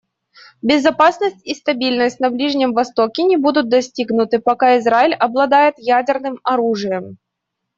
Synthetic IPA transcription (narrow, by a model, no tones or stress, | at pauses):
bʲɪzɐpasnəsʲtʲist̪ɐbʲilʲnəsʲtʲnɐblʲiʐnʲɪmvɐst̪okʲɪnʲɪbud̪ʊt̪̚d̪ɐsʲtʲiɡnʊt̪ɨpɐkaɪzɾaɪlʲɐblˠɐd̪ajɪt̪jædʲɪrnɨmɐɾuʐɨjəm